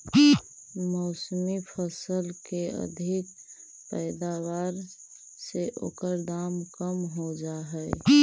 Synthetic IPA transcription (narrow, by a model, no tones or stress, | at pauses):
mɔːsmipʰəsəlkeə̰d̪ʱɪk̚ | pɛːd̪awaːɾ | seʔo̰ːkəɾd̪aːmkəmɦod͡ʒaɦɛɛ